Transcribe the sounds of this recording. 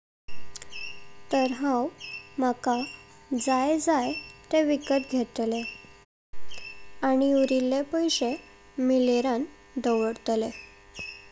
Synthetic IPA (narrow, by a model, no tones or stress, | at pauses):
t̪əɾɦãwmakad͡zajd͡zajt̪eʋikət̪ɡʱet̪le | aɽ̃iuɾilːepəjɕe | mileɾãn | d̪əʋəɽt̪le